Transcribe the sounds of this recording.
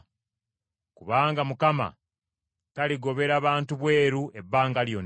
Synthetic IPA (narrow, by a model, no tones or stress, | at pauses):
kuβaːŋɡamukama̰ | taliɡo̞βe̞ɾaβaːntuβwe̞ːɾue̞bːaːŋɡaljon